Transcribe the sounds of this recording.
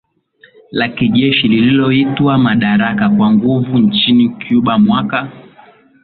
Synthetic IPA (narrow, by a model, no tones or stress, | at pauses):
lakiʄɛʃilililɔitwamaɗaɾakakwaŋɡuvunt͡ʃinikjuɓamwaka